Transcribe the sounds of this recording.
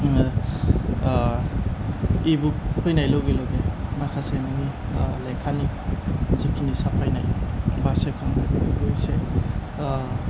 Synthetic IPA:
ibuk̚pʰɔjnajlɔɡelɔɡemakʰasenanilajkʰanizikʰinisapʰajnajbasep̚kʰaŋnajbabuɡɔjse

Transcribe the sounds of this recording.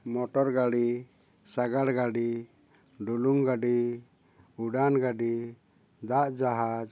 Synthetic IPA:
mɔʈɔɾɡaɽi | saɡaɽɡaɖi | ɖuluŋɡaɖi | uɖanɡaɖi | d̪aʔd͡ʒaɦa

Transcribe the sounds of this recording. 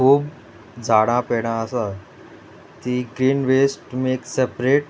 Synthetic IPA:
kʰuːb | d͡zʱaɽ̃ãpeɽ̃ãəsa | t̪iɡɾiːnʋesʈmeːksepɾeːʈ

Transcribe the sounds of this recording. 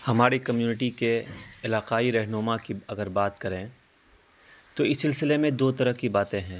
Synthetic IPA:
hɐmaːɾikɐmjuːnɪʈikeɪlaːqaːiɾɛɦnʊmakiɐɡəɾbaːt̪kɐɾẽ | t̪oɪsːɪlsɪlemẽd̪oːt̪ɐɾəɦkibaːt̪ẽɦɛ̃ː

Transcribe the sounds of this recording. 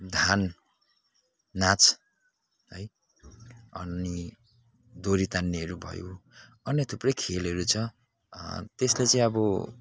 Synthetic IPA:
d̪ʱan | at͡s | ɦʌj | ʌ̰ni | d̪oɾit̪anːiɦʌɾubʱʌ̰jo | ʌnːet̪ʰuprʌjkʰelʌɾut͡sʰʌ | t̪eslet͡sʌĩʌbʌ

